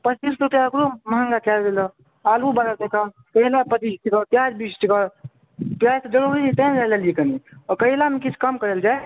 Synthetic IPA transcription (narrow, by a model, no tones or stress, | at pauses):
pət͡ʃt͡ʃisɾut̪eəkɾoməɦəŋɡakɛld̪elə | alubaɾət̪eka | kəɦilapət̪itikəp̪jad͡ʒbit͡ʃʈikəɾ | p̪jad͡ʒt̪əd͡ʒəɾuɾit̪ə̃nɾaləlijekəniɔkəilamekit͡ʃʰkəmkəɾəld͡ʒae